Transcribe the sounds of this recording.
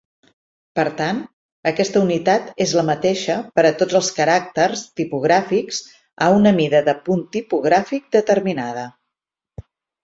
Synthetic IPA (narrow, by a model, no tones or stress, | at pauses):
pəɾt̪an | əkɛst̪əunit̪at̪ezləmət̪eʃəpəɾət̪od͡zəlˠskəɾak̚t̪ərst̪ipuɣ̞ɾafiks | aunəmiðəðəpunt̪ipuɣ̞ɾafik̚d̪ət̪əɾminaðə